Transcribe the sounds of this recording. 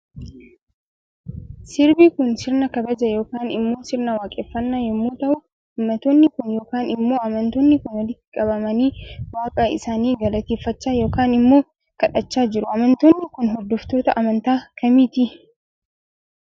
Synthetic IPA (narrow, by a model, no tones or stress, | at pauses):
sɪɾbiːkʊnsɪɾnɐkɐbɐd͡ʒɐjo̞ːkaːnɪmːo̞ːsɪɾnɐwaːkʼeːfːɐnːaːjɛmːuːt̪ɐʔʊ | hʊmːɐt̪oːnːɪkʊnjo̞ːkaːnɪmːo̞ːɐmɐnt̪oːnːɪkʊnwɐlɪt̪ːɪ̥kʼɐbɐmɐniːwaːkʼɐʔɪ̰saːniːɡɐlɐt̪eːfːɐt͡ʃːaːjo̞ːkaːnɪmːo̞ː | kɐᶑɐt͡ʃːaːd͡ʒɪɾʊʔɐmɐnt̪oːnːɪkʊnɦɔd̪ːɔft̪o̞ːt̪ɐʔɐmɐnt̪aːkɐmiːt̪i